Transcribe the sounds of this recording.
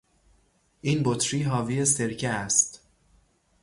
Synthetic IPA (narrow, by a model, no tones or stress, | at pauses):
ʔiːnbot̪ʰɾiːɦɒːviːese̞ɾcʰeæst̪